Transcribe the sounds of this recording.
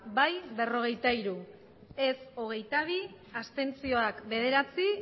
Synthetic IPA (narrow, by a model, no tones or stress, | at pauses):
bajβe̞ro̞ɣ̞e̞jt̪aiɾu | e̞so̞ɣ̞e̞jt̪aβ̞i | ast̪e̞nt͡sio̞akbe̞ð̞e̞ɾat͡si